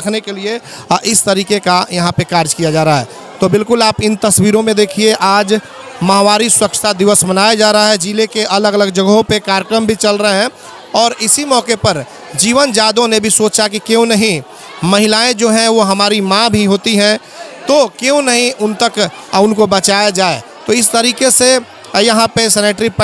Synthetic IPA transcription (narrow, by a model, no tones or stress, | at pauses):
ɐkʰnekelieʔɪst̪əɾiːkekajɐɦãpekaːɾd͡ʒkijad͡ʒaːɾaɦɛ̰ | t̪obɪlkʊlaːpɪnt̪ɐswiːɾõmẽd̪eːkʰieʔaːd͡ʒ | mɐɦʋaːɾisʊɾəkʃt̪ad̪ɪʋəsmənaːjad͡ʒaːɾəaɦɛd͡ʒilekeʔɐləɡələɡd͡ʒəɡɦõpekaːɾjkɾəmbʱit͡ʃɐlɾəɦɦɛ̃ | ɔːɾɪsimɔːkepɐɾ | d͡ʒiːʋənd͡ʒaːd̪õnebʱisoːt͡ʃak̬ikjõnɐɦĩ | mɐɦɪlaːẽd͡ʒoːɦɛ̃ʋoɦɐmaːɾimãbʱiɦoːt̪iɦɛ̃ | t̪oːkjõnɐɦĩʔʊnt̪ək | ʊnkobɐt͡ʃaːjad͡ʒaːe | t̪oːɪst̪ɐɾiːkese | jɐɦãpesɛːneːʈɾip